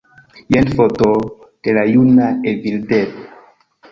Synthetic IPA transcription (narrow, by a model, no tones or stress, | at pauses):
jenfoto | d̥elajunaevildev